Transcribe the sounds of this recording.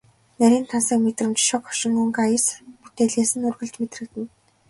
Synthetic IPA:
næɾʲiːnt̪ʰansə̆kmet̪rɘ̆mt͡ɕʃɔkχɔ̥ʃɪ̆ŋuŋɡajsput̪eːɮeːsɘ̆nurɣɵ̆ɮt͡ɕmet̪rɘ̆kt̪ɘ̆n

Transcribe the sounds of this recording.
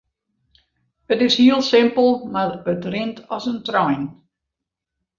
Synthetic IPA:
ətɪshiəlˠsɪmpəlˠmaəbətrɪntʰɔsəntrɔjn

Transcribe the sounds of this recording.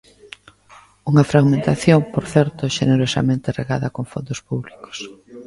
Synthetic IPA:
uŋɐfɾaɣmẽnt̪aθjoŋpoɾθɛɾt̪oʃeneɾosa̰mẽnt̪ereɣaðɐkoŋfond̪ospuβliko̥s

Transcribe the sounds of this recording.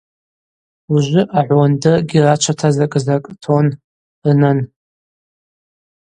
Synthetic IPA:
uʒʷɪʔaʕʷɔndɨɡʲirat͡ʃʷʰatʰazakʼɨzakʼtʰon | rɨnɨn

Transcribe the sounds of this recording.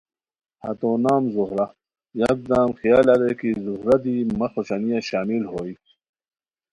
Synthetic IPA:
hɐ̰t̪oːnaːmzuhɾa | jɐɡ̚d̪aːmxijaːlɐɾekizuhɾɐd̪imɐxoɕanijaɕaːmilɦoːi

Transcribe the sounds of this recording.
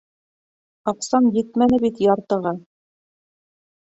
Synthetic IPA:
ɑqsɑnjɘt̪mænɘbit̪jɑɾt̪ɤ̆ʁɑ

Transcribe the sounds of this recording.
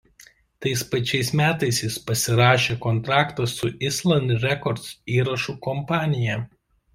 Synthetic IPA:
t̪ɐɪspɐt͡ʃʲɛɪsmʲæːt̪ɐɪsjɪspɐsʲɪɾɑːʃʲeːkɔnt̪ɾɑːkt̪ɐsːʊʔɪslˠɐnʲɾʲɛkɔɾt̪siːɾɐʃuːˑkɔmpɑːnʲɪjɛ

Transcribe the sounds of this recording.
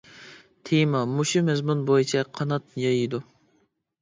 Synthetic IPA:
t̪ʰemɑmuʃumɛzmunbojit͡ʃʰɛqʰɑnɑt̪̚jɑjid̪u

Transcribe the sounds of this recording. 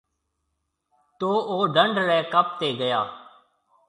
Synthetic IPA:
t̪oːoːɖəɳɖɾɛːkəp̚t̪eːɡəjaː

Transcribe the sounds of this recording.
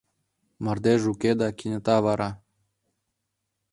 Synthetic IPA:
mɑrd̪eʒuked̪ɑkʲinʲət̪ɑβɑɾɑ

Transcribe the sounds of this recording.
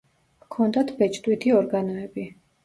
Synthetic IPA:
kʰɔnd̪at̪ʰbɛt͡ʃʼd̪ʼwit̪ʰiɔɾɡanɔɛbi

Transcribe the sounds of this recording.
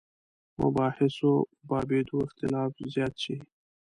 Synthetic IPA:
mʊ̰bɑːhɪsobɑːbed̪oɪxt̪ɪlɑːfzjɑːt̪̚t͡ʃʰi

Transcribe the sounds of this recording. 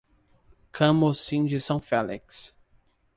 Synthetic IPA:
kʰɐ̃mosĩd͡ʒɪsɐ̃w̃fɛliks

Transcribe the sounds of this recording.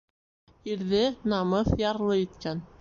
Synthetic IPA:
iɾðɘnɑmɤθjɑɾlˠɤit̪̚kæn

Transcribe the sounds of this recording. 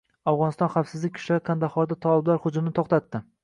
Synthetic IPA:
awʁɒnɪst̪ɒnχafsɪzlɪkʲʰʊ̥ʃlaɾɪkʰand̪aχɒɾd̪at̪ʰɒlɪblaɾχʊd͡ʒʊmnɪt̪ʰoχt̪at̪ːɪ

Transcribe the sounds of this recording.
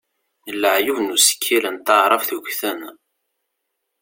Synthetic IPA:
əlːəʕjuvnusə̥kʰːilænt̪ɑʕɾˤɑfθuçθən

